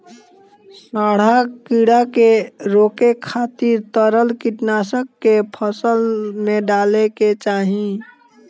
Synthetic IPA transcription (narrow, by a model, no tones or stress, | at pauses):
saɽ̤akiɽakeɾokekʰːat̪iɾt̪əɾəlkiʈnasəkːepʰəsəlmẽɖaleket͡ʃaːɦĩ